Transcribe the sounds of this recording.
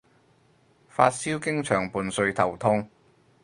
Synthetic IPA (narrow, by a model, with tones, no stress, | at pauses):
faː˧t̚siː˥wkɪ˥ŋt͡ʃʰœː˨˩ŋpuː˨nsɵ˧ɥt̪ʰɐ˨˩wt̪ʰʊ˥ŋ